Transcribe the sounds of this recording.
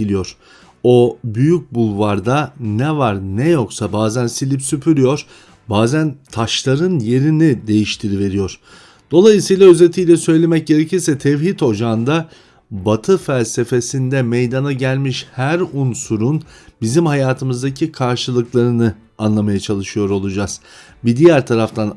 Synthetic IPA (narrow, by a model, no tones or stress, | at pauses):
ilʲijo̞ɾ̥ | o̞byjyc̚bulˠvaɾd̪anɛvaɾnɛjo̞ksabaːzænsilʲipsypʰyɾyjo̞ɾ̥ | baːzænt̪ʰaʃlˠaɾɯnje̞ɾinid̪e̞jiʃt̪ʰiɾive̞ɾijo̞ɾ̥ | d̪̥o̞lˠajɯsɯjlˠaøze̞t̪ʰijlʲɛsø̞jlʲe̞mɛc̚ɟe̞ɾecilʲsɛt̪ʰɛvhit̪o̞d͡ʒand̪a | bat̪ʰɯfælʲse̞fe̞sind̪ɛmejd̪anaɟælʲmiʃhæɾunsuɾunbizimhajaːt̪ʰɯmɯzd̪acʰikʰaɾʃɯlˠɯklˠaɾɯnɯ | anlˠamajat͡ʃʰalˠɯʃɯjo̞ɾo̞lˠud͡ʒaz̥ | bid̪ijæɾt̪ʰaɾaft̪ʰan